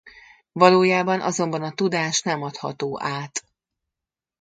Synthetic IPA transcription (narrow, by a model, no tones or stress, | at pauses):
vɒloːjaːbɒnʔɒ̰zo̞mbɒnɒt̪ud̪aːʃnɛmɒt̪hɒ̰t̪oːʔaːt̪